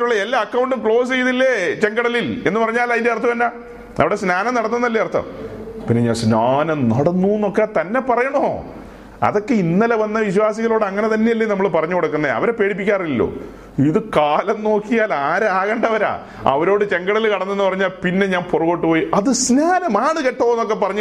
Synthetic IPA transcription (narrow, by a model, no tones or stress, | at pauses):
tːuɭːɐelːaɐkːɐwɳɖɨkɭo̞ːs̬ejuðilːet͡ɕe̞ŋɡɐɽɐlile̞nːɨpɐrɐɲːaːlɐjindeɐrt̪ːupɐnːaː | ɐʋiɽesnaːnɐmnɐɽɐnːunːɐlːiɐrt̪ʰːɐ̰mpinːeɲaːnsnaːnɐmnɐɽɐnːuːnːo̞kːet̪ɐnːe̞pɐrɐjɐɳɐmo̰ | ɐ̰ðo̞kːe̞inːɐlɐʋɐnːɐʋiɕwaːsiɣɐloːɽɨɐŋːɐne̞t̪ɐnːejilːenɐmːɐɭpɐrɐɲːuko̞ɽukːɐnːɐḛɐ̰ʋɐɾepːe̞ːɽip̬ːikʲːaːrilːo̰ː | iðɨkaːlɐnno̞ːkːijaːlaːɾaːɣɐɳɖɐʋɐɾa̰ː | ɐ̰ʋɐɾo̞ːɽɨt͡ɕe̞ŋɡɐɽɐlilkɐɽɐnːenːɨpɐrɐɲːaːlpinːe̞ɲaːnporuɣoʈːɨpoːjiʔɐðɨsnaːnɐmaːɳɨkeʈːɐnːok̬ːe̞pːɐrɐɲː